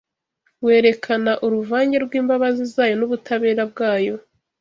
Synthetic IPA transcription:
we̞ːɾe̞kʰanaʔuɾuvaːɲɟe̞ɾɡwiːmbaβazizaːjo̞nuβutʰaβe̞ːɾab̚ɡaːjo̞

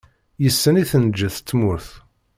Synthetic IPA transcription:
jəsːəniθənd͡ʒːəθt͡sːmʊɾθ

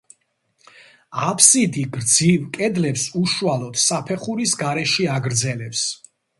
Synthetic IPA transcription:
apʰsid̪iɡɾd̪zivkʼɛd̪lɛpsuʃualˠɔd̪̥sapʰɛχuɾisɡaɾɛʃiaɡɾd̪zɛlɛps

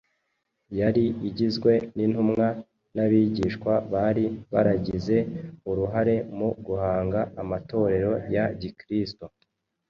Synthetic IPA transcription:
jaɾiiɟizɡwe̞ninhumŋa | naβiːɟiːʃkwaβaɾiβa̰ɾaɟize̞uɾuɦaɾe̞muɡuhaːŋɡaːmato̞ɾe̞ɾo̞jaɟikɾisto

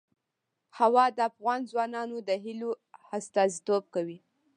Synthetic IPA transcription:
hawɑd̪əafɣɑnzwɑnɑnod̪əɦilo | ast̪ɑzit̪ob̚kawi

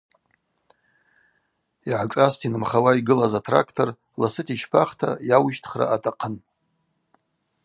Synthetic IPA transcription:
iʕakʼastʰinɨmχawaiɡɨlazatʰra̰kʰtʰo̞r | lasɨtʰʼit͡ʃʰpʰaχtʰa̰jawʃtʰχra̰ʔatʰʼaqʰən

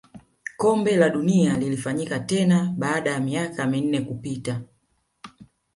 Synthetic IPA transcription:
kɔmbɛlaɗunialilifaɲikatɛnaɓaːɗajamiakamin̩nɛkupita

